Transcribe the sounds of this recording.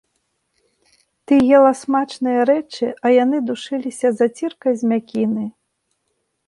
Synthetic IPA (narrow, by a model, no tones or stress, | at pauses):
t̪ɨjɛlˠɐsmat͡ʂnɨjɐɾɛt͡ʂɨɐjanɨd̪uʂɨlʲisʲɐzɐt͡sʲirkɐjzʲmʲakʲinɨ